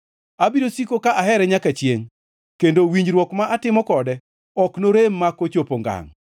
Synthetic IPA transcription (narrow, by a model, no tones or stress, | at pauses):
abiɾosikokaʔaɦɛɾɛɲakat͡ʃjeŋ | kendowiɲd͡ʒɾwɔkmaʔatɪmɔkɔdɛ | ɔknoɾemːakot͡ʃopoŋɡa̰ŋ